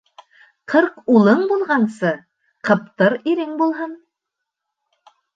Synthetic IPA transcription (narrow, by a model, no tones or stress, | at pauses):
qʰɤɾqulˠɤɴbulˠʁɑnsɤ | qɤ̆p̚t̪ɤɾiɾɘŋbulˠɦɤn